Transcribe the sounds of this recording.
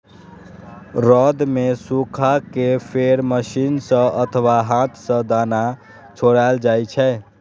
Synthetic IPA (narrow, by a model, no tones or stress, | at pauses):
ɾɔd̪mesukʰakepʰeɾməsinsə̃ət̪ʰəʋaɦãt̪ʰsə̃d̪ana | t͡ʃʰoɽaeld͡ʒajt͡ʃʰɛ